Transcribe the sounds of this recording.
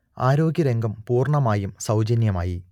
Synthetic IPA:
aːɾo̞ːɡʲjɐɾe̞ŋɡɐmpuːrɳɐmaːjumsɐwd͡ʑɐnjɐmaːji

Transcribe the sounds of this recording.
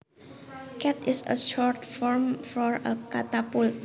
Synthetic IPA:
kɛt̪ɪsə̰ʃɔɹtfɔɹmfɔɹəkat̪apul

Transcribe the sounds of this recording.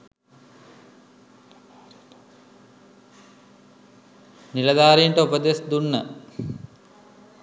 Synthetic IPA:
nilɐd̪aːɾijəɳʈəupəd̪esd̪unːə

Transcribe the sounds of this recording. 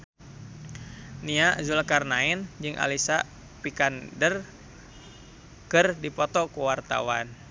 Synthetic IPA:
niazulkarnaɛnd͡ʒɨŋʔa̰lisa | pikandər | kɨrdipɔt̪ɔkuwart̪a̰wan

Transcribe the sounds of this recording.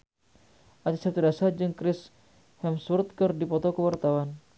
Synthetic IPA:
ʔadisat̪udasad͡ʒɨŋkɾɪs | hɛmsurt̪̚kərdipɔt̪ɔkəwart̪awan

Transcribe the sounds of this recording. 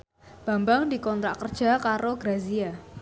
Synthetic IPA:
b̥a̤mbaŋdikɔnt̪ɾakərd̥ʒ̥a̤kaɾoɡ̥ɾazia

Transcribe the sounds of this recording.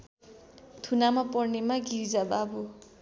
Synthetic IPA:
t̪ʰunamapɔrnemaɡiɾid͡zababu

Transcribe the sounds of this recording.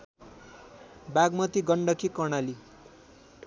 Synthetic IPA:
baɡmʌt̪iɡʌɳɖʌkʰikʌɳali

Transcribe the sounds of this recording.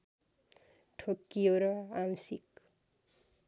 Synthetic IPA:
ʈʰokːijoɾʌamsik

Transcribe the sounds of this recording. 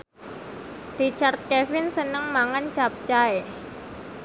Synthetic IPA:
rit͡ʃart̪̚kɛfɪnsənəŋmaŋant͡ʃap̚t͡ʃae

